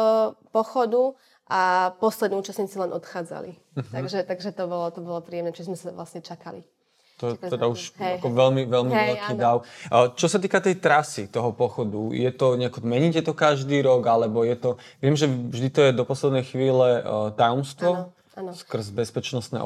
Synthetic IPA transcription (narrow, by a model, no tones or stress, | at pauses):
pɔxɔd̪u | ʔapɔslɛd̪niuːt͡ʃasɲiːt͡silɛnʔɔt̪xaːd͡za̰lḭ | m̩tɦ̪aɡʒɛt̪aɡʒɛt̪ɔbɔlɔt̪ɔbɔlɔpɾiːjɛmnɛt͡ʃizmɛsaʋlasɲɛt͡ʃakali | t̪ɔɛɛd̪auʃakɔʋɛlmiʋɛlmiʋɛlkiːd̪aʊt͡ʃɔsat̪iːkat̪ɛjt̪ɾasit̪ɔɦɔpɔxɔd̪ujɛt̪ɔɲɛakɔmɛɲicɛt̪ɔkaʒd̪iːɾɔɡalɛbɔjɛt̪ɔ | ʋɪɛmʒɛvʒd̪it̪ɔjɛd̪ɔpɔslɛd̪nɛjxʋiːlɛt̪ajɔmst̪ʋɔ | anskr̩zbɛspɛt͡ʃnɔsnɛ̰ːʔ